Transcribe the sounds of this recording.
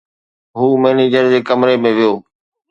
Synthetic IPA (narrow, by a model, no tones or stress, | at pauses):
ɦuːmeːniːd͡ʑəɾd͡ʑeːkəmɾemẽːʋɪjoː